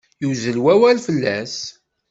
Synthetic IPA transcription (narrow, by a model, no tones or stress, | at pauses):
juzəlwæwælfəlːæs